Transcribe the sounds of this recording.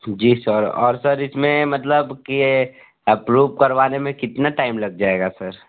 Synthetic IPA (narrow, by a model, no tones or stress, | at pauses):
d͡ʒiːsəɾɔ̰ːɾsɐɾɪsmẽmɐt̪ləbki | ɛpɾuːʋkɐɾʋaːnemẽkɪt̪naʈaːɪmlɐɡ̚d͡ʒaːeːɡasɐɾ